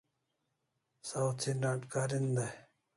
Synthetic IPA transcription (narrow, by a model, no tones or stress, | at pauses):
sawt͡sʰinaʈkaɾind̪a